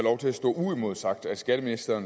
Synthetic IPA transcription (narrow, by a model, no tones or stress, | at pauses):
lɒʊt͡sʰe̝læsd̥ɔ̰̽ːuimo̝ð̞ˠsɑ̈ɡ̥̚d̥æ̥sɡ̥æɾ̥əminisd̥ɐːn